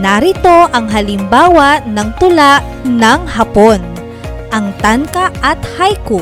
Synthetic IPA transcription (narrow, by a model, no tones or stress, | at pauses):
naɾɪt̪o̞ʔɐŋɦɐlɪmbaːwɐnɐŋt̪ʊlaʔ | nɐŋɦɐpon | ʔɐŋt̪ankɐʔɐt̪hajkʊ